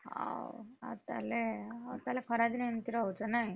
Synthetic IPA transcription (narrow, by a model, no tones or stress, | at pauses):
ha̰wa̰t̪a̰leat̪alekʰəɾad̪inent̪iɾaɦut͡sənai